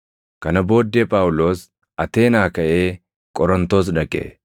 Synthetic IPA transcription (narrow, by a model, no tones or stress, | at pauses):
kɐnɐbo̞ːd̪ːeːpʼaːwʊlo̞ːs | ɐt̪e̞ːnaːkɐʔe̞ː | kʼɔɾɔnt̪o̞ːs̬ᶑɐkʼḛ